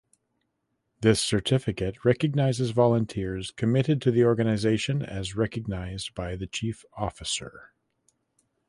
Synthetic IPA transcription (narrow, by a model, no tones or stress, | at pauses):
ðɪsə˞tʰɪfɨkɨt̚ɹɛkɨɡ̚naɪzɨzvɑlˠə̃ntʰɪɹz̥kʰɨmɪɾɨd̚tʰɨðiɔɹɡɨnɨzeɪʃɨ̃nɨ̰zɹɛkɨɡ̚naɪzbaɪðɨt͡ʃʰifɔfɨsə̰˞